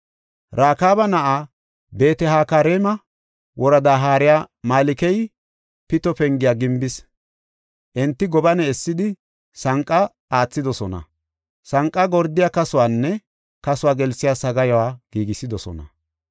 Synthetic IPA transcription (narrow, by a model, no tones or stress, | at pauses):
ɾaːkaːbɐnɐʔa | be̞ːt̪ɛɦaːkaːɾeːmɐ | wɔɾɐd̪aːɦaːɾɪjaːmaːlɪkɛj | pɪt̪ɔpɛŋɡɪjaːɡɪmbɪs | ʔɛnt̪ːɪɡɔbɐnɛɛsːɪd̪ɪ | sɐŋkʼːɐ | aːt͡sːɪd̪ɔsɔnɐ̰ | sɐŋkʼːɐɡɔɾd̪ːɪjaːkɐsʊwaːnːɛ | kɐsʊwaːɡɛlsːɪjaːsɐɡɐjɔwaːɡ̥iːɡɪsɪd̪ɔsɔ̰nɐ̰